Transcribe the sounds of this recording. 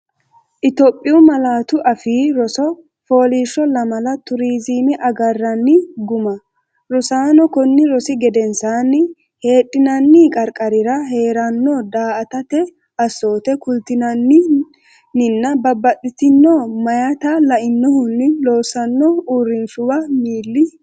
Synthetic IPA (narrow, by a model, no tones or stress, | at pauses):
ʔɪt̪oːpʼːɪʊmɐlaːt̪ʊʔɐfiːɾɔsɔ | fo̞ːliːʃːɔlɐmɐlɐt̪ʊɾiːziːmɪʔɐɡɐrːɐnːɪɡʊmɐ | ɾɔsaːnɔkɔnːɪɾɔsɪɡɛd̪ɛnsaːnːɪ | he̞ːɗʼːɪnɐnːiːkʼɐɾkʼɐɾɪɾɐɦe̞ːɾɐnːɔd̪aːʔɐt̪ɐt̪ɛ | ɐsːo̞ːt̪ɛkʊlt̪ɪnɐnːɪ | nːɪnːɐbɐbːɐɗʼɪt̪ɪnːɔmɐjat̪ɐlɐʔɪnːɔhʊnːɪloːsɐnːɔuːɾɪnʃʊwɐmiːlːɪ